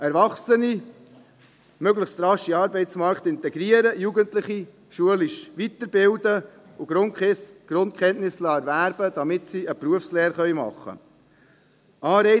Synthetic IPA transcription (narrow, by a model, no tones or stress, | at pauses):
ɛɾvɑχsəni | møɡləχstɾɑʃiɑːɾbɛɪtt͡smɑɾkt̪ɪnt̪ɛɡɾiəɾəjuɡəntləχi | ʃuəliʃʋit̪əɾbɪld̪ə | ʊɡɾʊnkʰχɪsɡ̥ɾʊnt̚kχɛntnɪslɑːɛɾvæːɾb̥əd̥̪ɑmɪtsiəpɾuəfsleːɾχœʏmɑ̰χːə̰ | ɑːɾɛɪ